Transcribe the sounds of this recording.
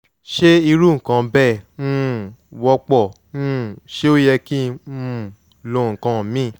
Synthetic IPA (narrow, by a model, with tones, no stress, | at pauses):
ʃe˦i˧ɾu˦ŋ̩˨kã˨˧bɛ˦˨nũ˦wɔ˧˦k͡pɔ˦˨ | nũ˦˨ʃe˦o˦jɛ˧kĩ˦˧ũ˦˨ | lõ˧˨ŋ̩˨kã˧˨mĩ˦˨